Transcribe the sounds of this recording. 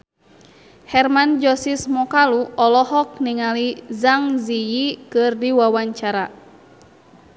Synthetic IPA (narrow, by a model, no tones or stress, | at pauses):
hɛrmand͡ʒɔsismɔkaluɔlɔɦɔk̚niŋalizaŋzijikɨrdiwawaɲt͡ʃaɾa